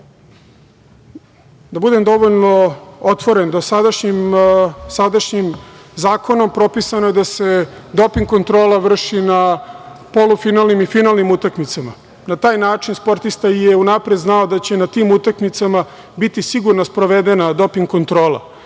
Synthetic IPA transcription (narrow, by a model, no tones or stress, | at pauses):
d̪abud̪e̞md̪o̞ʋoʎno̞ot̪ʋo̞ɾe̞nd̪o̞sad̪aʃɲimsad̪aʃɲimzaːko̞no̞mpɾo̞pisanojed̪ase̞d̪o̞piŋɡko̞nt̪ɾo̞ːlˠaʋr̩ʂinapo̞lufinalnimifinalˠnimut̪akmit̪sama | nat̪aːjnaːt͡ʃinspo̞ɾt̪ist̪aijeunapɾed̪znaod̪at͡ɕe̞nat̪iːmut̪akmit̪sama | bit̪isiɡuɾnaspɾo̞ʋed̪enad̪o̞piŋɡkont̪ɾo̞ːlˠa̰